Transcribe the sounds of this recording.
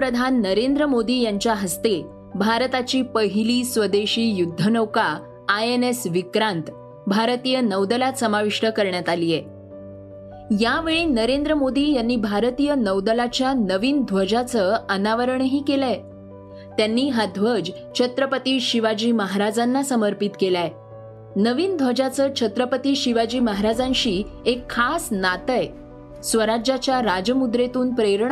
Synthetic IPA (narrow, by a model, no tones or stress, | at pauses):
pɾəd̪ʱanːəɾend̪ɾəmod̪iːjaɲt͡ɕjaɦəst̪e | bʱaɾt̪at͡ɕiːpəɦiliːsʋəd̪eɕiːjud̪ʱːənəwkaː | enesʋikɾãnt̪ | bʱaɾt̪iːjənəʋd̪əlasəmaʋiʂʈəkəɾɳjat̪alije | jaʋeɭiːnəɾend̪ɾəmod̪iːjanːiːbʱaɾət̪iːjənəʋd̪əlat͡ɕjanəʋiːnd̪ʱʋəd͡ʑat͡səənaʋəɾəɳɦiːkelaj | t̪janːiːɦad̪ʱʋəd͡ʑ | t͡ɕʰət̪ɾəpət̪iːɕiʋad͡ʑiːməɦaɾad͡zanːasəməɾpit̪kelae | nəʋiːnd̪ʱʋəd͡ʑat͡səːt͡ɕʰət̪ɾəpət̪iːɕiʋad͡ʑiːməɦaɾad͡zãnɕiːekʰːasnat̪əj | sʋəɾad͡ʑat͡ɕjaɾad͡ʑmud̪ɾet̪uːnpɾeɾɳ